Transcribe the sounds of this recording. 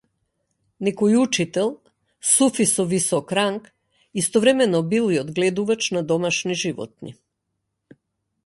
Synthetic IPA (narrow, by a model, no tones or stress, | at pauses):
nɛkɔjut͡ʃit̪ɛlˠ | sufisɔvisɔkɾaŋk | ist̪ɔvɾɛmɛnɔbilˠiɔd̪ɡlɛd̪uvat͡ʃnad̪ɔmaʃniʒivɔ̰t̪̚nḭ